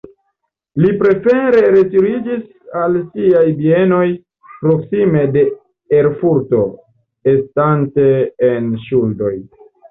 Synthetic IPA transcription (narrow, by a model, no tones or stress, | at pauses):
lipɾe̞fe̞ɾe̞ɾe̞tiɾid͡ʒis | alsiajbie̞no̞j | pɾo̞ksime̞de̞ | eɾfuɾto̞ | estante̞ːnʃuldo̞j